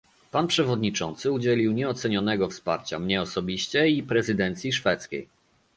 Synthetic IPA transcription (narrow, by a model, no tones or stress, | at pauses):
panpʂɛvɔd̪ɲit͡ʂɔ̰nt̪sɘud͡ʑɛlʲiwɲɛɔt̪sɛɲɔnɛɡɔfspa̰ɾt͡ɕa̰mɲɛɔsɔbʲiɕt͡ɕɛipɾɛzɘd̪ɛnt̪sʲjiʂfɛt̪skʲḛj